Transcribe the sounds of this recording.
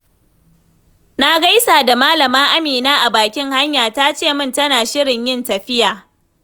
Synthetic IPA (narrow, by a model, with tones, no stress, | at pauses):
na˦ɡa˦jsaː˨da˨maː˦lɐ˨maː˦ʔa˦miː˨naː˦ʔa˨baː˨kʲɪ˦ŋha˦ɲjaː˨ta˦t͡ʃeː˦˨mɪ˦˨ntɐ˦naː˨ʃɪ˦ɽɪ˨ɲjɪ˦ntɐ˨ɸɪ˦jaː˨